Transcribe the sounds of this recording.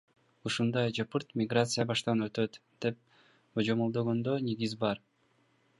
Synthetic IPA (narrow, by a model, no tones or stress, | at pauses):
uʃund̪ɑjd͡ʒɑpɯɾt̪mʲɪɡrat̪sɨjabɑʃt̪ɑnø̞t̪øt̪d̪̥e̞p̚ | od͡ʒomolˠd̪o̞ɡo̞nd̪øneɡizbɑɾ